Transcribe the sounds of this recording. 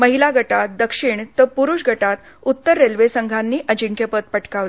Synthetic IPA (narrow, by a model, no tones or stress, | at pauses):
məɦilaɡʱəʈat̪̚d̪əkʂiɳt̪əpuɾuʂɡʱəʈat̪ | ut̪ːəɾːelʋesəŋɡʱanːiːʔəd͡ʑiŋkjəpət̪̚pəʈkaʋl